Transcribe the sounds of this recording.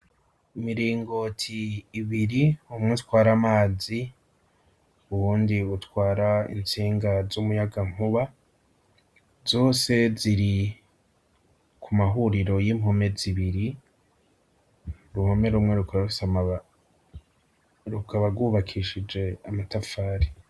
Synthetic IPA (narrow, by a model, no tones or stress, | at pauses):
imiɾiːŋɡo̞tʰiːβiɾiumŋetwaːɾamaːzi | uβuːndiutwaːɾaḭnt͡siːŋɡazumujaɡamhuβa | z̥o̞ːse̞ziɾi | kʰumaɦuɾiɾo̞jimho̞me̞ziβiɾi | ɾumho̞me̞ɾumŋe̞ɾukʰoβaɾusama | ɾukʰaβaɡwuːβakʰiʃid͡ʒe̞amatafaːɾi